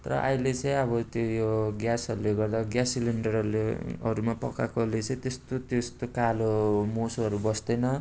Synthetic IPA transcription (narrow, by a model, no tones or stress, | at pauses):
t̪ʌɾʌ̰ʔa̰ilet͡sʌĩʌbʌt̪jojoɡjasʌɾuleɡʌrd̪aɡjasiliɳɖʌrʌuleʌɾumapʌkakolet͡sʌĩt̪est̪ot̪jost̪okalomosʌɾubʌsd̪ʌnʌ